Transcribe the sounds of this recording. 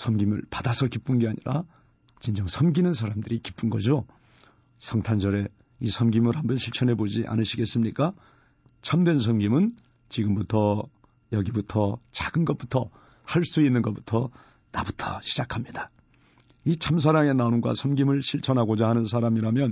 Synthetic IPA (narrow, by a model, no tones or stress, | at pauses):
sʰʌmɡimɯɭpadasʰʌkip͈unɡe̞aɲiɾa | t͡ɕind͡ʑʌŋsʰʌmɡinɯns̬ʰaɾamdɯɾiki̥p͈unɡʌd͡ʑo | sʰʌŋtʰand͡ʑʌɾe̞ | isʰʌmɡimɯɾɦambʌnɕʰiɭt͡ɕʰʌne̞bod͡ʑiʔa̰nɯɕʰiɡe̞s͈ɯmɲik͈a | t͡ɕʰamdwe̞ns̬ʰʌmɡimɯn | t͡ɕiɡɯmbutʰʌ | jʌɡibutʰʌt͡ɕaɡɯnɡʌt̚p͈u̥tʰʌ | haɭs͈uinːɯnɡʌp͈u̥tʰʌ | nabutʰʌɕʰid͡ʑakʰamɲida | it͡ɕʰams̬ʰaɾaŋe̞naonɡwa̰sʰʌmɡimɯɭɕʰiɭt͡ɕʰʌnɦaɡod͡ʑahanɯnsʰaɾamiɾamjʌn